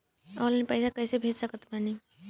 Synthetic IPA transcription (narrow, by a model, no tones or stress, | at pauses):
ɔːlːnipɛɪsakɛːsebʱeːd͡ʒsəkət̪mɛni